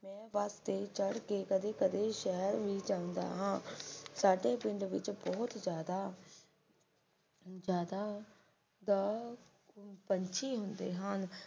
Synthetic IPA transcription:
mɛ̃ːʋaːst̪et͡ʃəɽkekəd̪ekəd̪eːʃɛːəɾbʱid͡ʒãːʊ̃nd̪a̰ːɦãːsaːɖeːbɪ̃nd̪ʋɪt͡ʃbɔɦʊt̪d͡ʒjaːd̪aː | d͡ʒjaːd̪a | d̪a | pəɲt͡ʃʰiɦʊ̃nd̪eːɦãːn

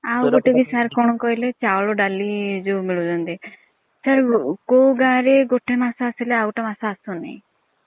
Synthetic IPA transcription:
awɡoʈebisaɾkɔɽ̃ɔkɔɦilet͡ʃawɔɭɔɖalid͡ʒomiɭud͡ʒɔnt̪i | səɾkowɡaɾeɡoʈemasaːsileawʈamasaːsɔnḛ̃j

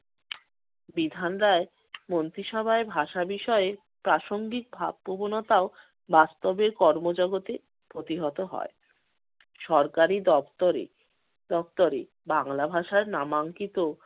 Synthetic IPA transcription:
bid̪ʱanɾae | mont̪ɾiʃɔbʱaebʱaʃabiʃɔee | pɾaʃoŋɡik̚bʱa̰bpobonot̪ao | bast̪obeɾkɔɾmod͡ʑɔɡot̪e | pɾot̪iɦɔt̪oɦɔ̰e | ʃɔɾkaɾid̪ɔft̪oɾḛ | d̪̥ɔft̪oɾḛ | baŋlabʱaʃaɾnamaŋkit̪o

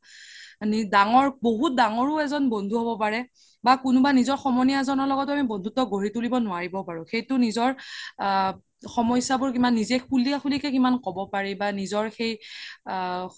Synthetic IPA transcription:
nidaŋɔɹboɦut̚daŋɔɹʊɛzɔnbɔndʱuɦobɔpaɹɛ | bakʊnʊbanizɔɹxɔmɔnijazɔnɔɹlɔɡɔtʊamibɔndʱutɔɡʱoɹitulibɔnʊaɹibɔpaɹʊ̃xejtʊnizɔɹ | xɔmɔjsabʊɹkimanːizɛkuliaxulikɛkimankɔbɔpaɹɛbanizɔɹxej

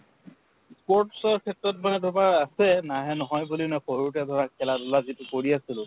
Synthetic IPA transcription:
spɔɹtsɔɹkʰɛtɹɔt̚manɛdɔbaɹasɛnaɦɛnɔɦɔjbulinɛxoɹutɛdʱɔɹakʰɛladʊlazitʊkoɹiasilʊ̃

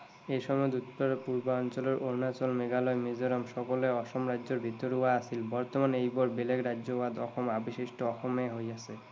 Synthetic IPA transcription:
eʃɔmɔed̪ut̪poɾpuɾbaɔnt͡ɕoleɾʔoɾnat͡ɕolmeɡalɔemid͡ʑoɾamʃɔkoleɔʃomɾadd͡ʑoɾbʱit̪ːoɾuaasʰilbɔɾt̪omanejbɔɾbelekɾadːd͡ʑobad̪ɔxʰomabiʃiʃʈoɔxʰomeɦojasʰe

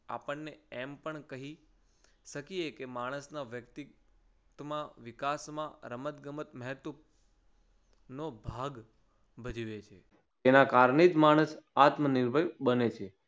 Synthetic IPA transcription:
a̰pəɳːeɛmpəɳkəɦi | ʃəkiekemaɽ̃əsnaʋjəkt̪it̪mãʋikasmãɾəmət̪ɡəmət̪məɦɛt̪u | nobʱaɡ | bəd͡ʒiʋet͡ʃʰe | enakaɾɳed͡ʒ̪maɽ̃əsat̪məniɾbʱəjbənet͡ʃʰe

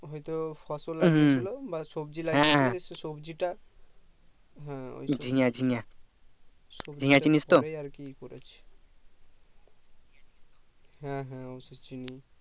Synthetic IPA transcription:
ɦɔjt̪ofʰɔsolaɡɦt͡ɕʰilobasobd͡ʑilaɦɛ̃ɦɛsesobd͡ʑiʈa | ɦɛ̃o̰jd͡ʑʱiŋad͡ʑʱiŋa | od͡ʑʱiŋat͡ɕinist̪oeaɾkikoɾet͡ɕʰe̥ | ɦɛ̃ɦɛ̃ɔset͡ʃini

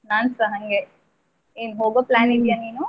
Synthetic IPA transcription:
naːnsɐɦɐŋɡe | eːnɦoːɡoplaːnid̪ijaniːnu

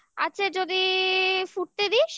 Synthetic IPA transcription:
a̰tːɕʰad͡ʑod̪ifuʈ̚t̪ed̪iʃ

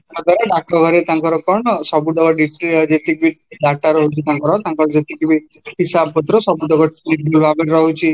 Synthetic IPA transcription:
kɔd̪waɾaɖak̚ʈɔɡʱɔɾet̪aŋkɔɾɔkɔɳɔsɔbuɖɔɡɔɖiʈid͡ʒet̪ikibiɖaʈaɾɔɦut͡ʃʰit̪ãŋkɔɾɔɦt̪aŋkɔɾɔd͡ʒet̪ikibi | ɦisabpɔt̪ɾɔsɔbuɖɔɡɔinikulbʱaɡeʈɾɔɦut͡ʃʰi

